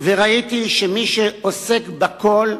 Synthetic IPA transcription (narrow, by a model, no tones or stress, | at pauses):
veʁait̪iʃemiʃeosekbako̞l